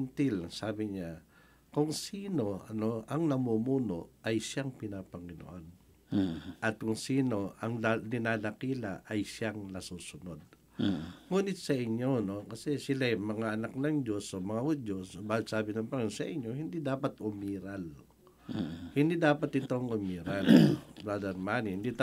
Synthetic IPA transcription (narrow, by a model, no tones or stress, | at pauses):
nt̪ɪlsaːbɪɲa | kʊŋsiːno̞ɐno̞ʔɐŋnɐmuːmuːno̞ʔʔɐjʃaŋpɪnapɐŋɪno̰ʔon | ʔɐt̪̚kʊŋsiːno̞ʔɐŋd̪ɪnad̪ɐkiːla̰ʔɐjʃjaŋnɐsuːsʊno̞d̪̚ | ŋuːnɪt̪̚sɐʔɪɲːo̞no̞kɐsɛsɪlajmɐŋaʔɐnak̚nɐŋd͡ʒo̞somɐŋahʊd͡ʒosbaːlɪt̪saːbɪnɐŋpɐŋnsɐʔɪɲːo̞hɪnd̪id̪aːpɐt̪ʊmiːɾal | hɪnd̪id̪aːpɐt̪ʔɪt̪o̞ŋʔʊmiːɾalbɾad̪ɛɾmaːnihɪnd̪it̪